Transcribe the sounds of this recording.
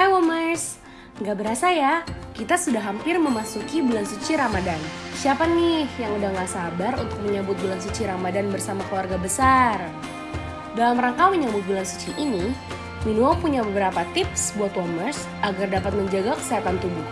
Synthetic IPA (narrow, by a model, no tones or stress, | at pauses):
awɔmərs | ŋɡaʔbəɾasajakit̪asudaɦampɪrməmasukibulansut͡ʃiɾamadansiapanːɪhjaŋudaŋɡaʔsabarunt̪ʊk̚məɲabʊt̪̚bulansut͡ʃiɾamadanbərsamakəluwarɡabəsar | dalamɾaŋkawiɲɲabʊt̪̚bulansu̥t͡ʃiʔini | minuapuɲabəbəɾapat̪ɪpsbuat̪wɔmərs | aɡardapat̪̚məɲd͡ʒaɡakə̥siat̪ant̪ubʊh